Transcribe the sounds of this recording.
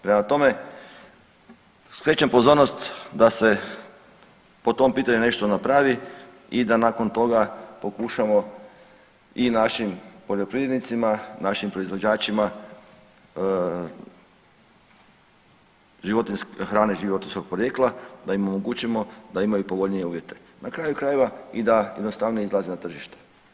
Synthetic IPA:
pɾemat̪o̞me̞ | sjet͡ɕampozo̞ɾnost̪d̪ase̞ | po̞t̪o̞mpiːt̪aɲune̞ʃt̪o̞napɾaʋi | id̪anako̞nt̪o̞ɡapo̞kuʃamo̞ | inaʃimpo̞ʎo̞pɾied̪nit̪simanaʃimpɾo̞izʋo̞d͡ʒaːt͡ʃima | ʒiʋot̪inskxɾaːneʒiʋo̞t̪insko̞ɡ̚pɾojeklˠad̪aimo̞moɡut͡ɕemo̞d̪aimajupo̞ʋo̞ʎnije̞uːʋje̞t̪e̞̥nakɾaːjukɾaːjeʋaid̪ajed̪nost̪aʋnoizlˠazenat̪r̩ʒiʃt̪e̥

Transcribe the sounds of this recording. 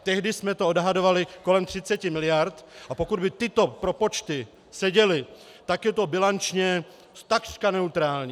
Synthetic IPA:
t̪ɛɦdɪsmɛt̪oo̞dɦado̞valɪko̞lɛmt̪r̝̥ɪt͡sɛcɪmɪlɪjaɾt̪ʔapo̞kud̪bɪt̪ɪt̪o̞pɾo̞po̞t͡ʃt̪ɪ | sɛɟɛlɪ | t̪akjɛt̪o̞bɪlant͡ʃɲɛ | st̪akr̥kanɛut̪ɾaːlɲi

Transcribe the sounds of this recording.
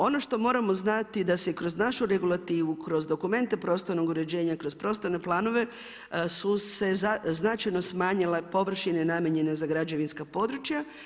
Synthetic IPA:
o̞no̞ʃt̪o̞mo̞ːɾamo̞znat̪id̪asekɾo̞znaʃuɾe̞ɡulˠat̪iːʋukɾo̞zd̪o̞kume̞nt̪e̞pɾo̞ːst̪oɾno̞ɡuɾe̞d͡ʑe̞ːɲakɾo̞zpɾo̞st̪oɾne̞plˠaːno̞ʋe̞ | suse̞zaznat͡ʃajno̞smaːɲilepo̞ʋr̩ʃine̞namʲjeɲe̞nezaɡɾad͡ʑe̞ʋinskapo̞d̪ɾut͡ʃja

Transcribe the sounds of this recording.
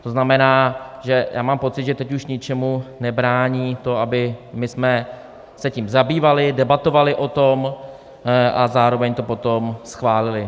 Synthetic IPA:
t̪o̞znamɛnaːʒɛja̰ːmaːmpo̞tt͡sɪt̪ʒɛt̪ɛcuʃɲɪt͡ʃɛmunɛbɾaːɲiːt̪o̞abɪmɪsmɛ | sɛciːmzabiːvalɪdɛbat̪o̞valɪʔo̞t̪o̞m | ʔazaːɾo̞vɛɲt̪o̞po̞t̪o̞msxvaːlɪlɪ

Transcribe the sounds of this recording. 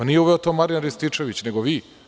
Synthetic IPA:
anijeuʋeot̪omaɾianɾist̪it͡ʂeʋit͡ɕne̞ɡoʋiː

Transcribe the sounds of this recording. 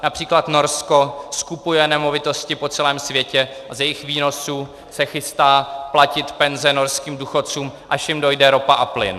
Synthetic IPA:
napr̝̥iːklat̪no̞ɾsko̞skupujɛnɛmo̞vɪt̪o̞scɪpo̞t͡sɛlɛːmsvjɛcɛazjɛjɪxviːno̞su | sɛxɪst̪aːplacɪt̪pɛnzɛno̞ɾskiːmduxo̞t͡suːmʔaʃjɪmdo̞jdɛɾo̞paʔaplɪ̰n

